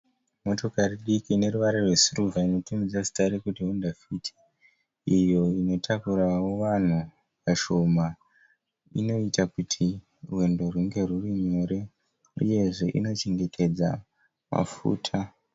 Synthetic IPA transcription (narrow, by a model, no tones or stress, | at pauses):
mo̞to̞kariɗikine̞ruʋaɾerwe̞suruvaino̞tumid͡zasi̥taɾikutiɦondafitʰi̥ | ijo̞ino̞tʰakuɾawo̞ʋan̤u | paʃo̞ma | ḭno̞itakutʰi | rwe̞ndo̞ruŋɡe̞ruriɲo̞ɾe̞ | ṵje̞ʐe̞ʔḭno̞t͡ʃeŋɡe̞tʰe̞d͡za | ma̰fṵːtʰa